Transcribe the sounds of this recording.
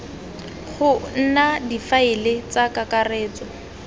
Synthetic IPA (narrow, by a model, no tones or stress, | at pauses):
χʊn̩nadifaɪlɪt͡sakakareːt͡sɔ